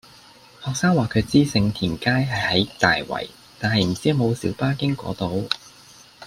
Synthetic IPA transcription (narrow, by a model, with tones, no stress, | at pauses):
hɔː˨k̚saː˥ŋwaː˨˩kʰɵ˨˧ɥt͡siː˥sɪ˧ŋt̪ʰiː˨˩nkaː˥jɦɐ˨jhɐ˨˥jt̪a̰ː˨jwɐ̰˨˩j | t̪aː˨nhɐ˨jm̩˨˩t͡siː˥mo˨˧wsiː˨˥wpaː˥kɪ˥ŋkʷɔ̰ː˨˥t̪o˨˧w